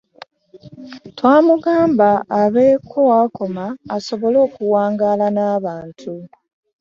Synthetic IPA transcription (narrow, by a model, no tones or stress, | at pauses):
twaːmuɡaːmbaːβe̞ːkʰo̞wako̞maːso̞βo̞lo̞ːkuwaːŋɡaːlanaːβaːntʰu